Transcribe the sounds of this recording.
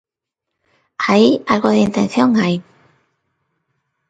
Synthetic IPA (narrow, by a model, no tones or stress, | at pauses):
hajalkɔd̪eint̪ʰɛnsjɔŋaj